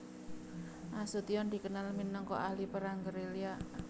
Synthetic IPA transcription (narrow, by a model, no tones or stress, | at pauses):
ʔasut̪iɔnd̪i̤kənalminəŋkɔ̰ʔahlipəɾaŋɡəɾelia